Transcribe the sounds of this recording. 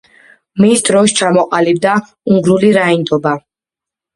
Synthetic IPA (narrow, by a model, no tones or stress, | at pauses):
misd̪ʼɾɔʃt͡ʃʰamɔqʼalib̚d̪a | uŋɡɾuliɾaind̪ɔba